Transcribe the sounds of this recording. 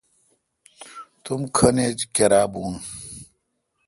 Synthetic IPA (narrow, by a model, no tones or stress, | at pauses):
t̪umkʰɐned͡ʑkɐɾaːbuːn